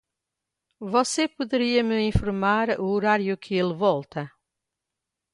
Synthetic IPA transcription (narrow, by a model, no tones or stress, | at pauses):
vɔsepuðɨɾiɐmɨĩfuɾmaɾuoɾaɾjukʰɨelˠvɔlˠt̪ɐ